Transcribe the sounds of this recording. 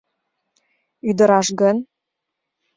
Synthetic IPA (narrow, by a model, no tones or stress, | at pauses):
yd̪ə̆ɾɑʃɡən